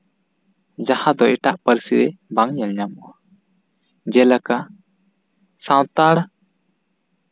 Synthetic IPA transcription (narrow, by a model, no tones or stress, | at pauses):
d͡ʒahad̪ɔɛʈaʔpəɾsiɾɛbaŋɲɛlɲamɔwa | d͡ʒɛlaka | sawt̪aɽ